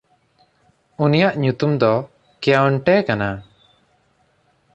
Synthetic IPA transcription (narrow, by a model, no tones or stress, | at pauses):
unijaʔɲut̪umd̪ɔ | kɛjawɳʈɛkana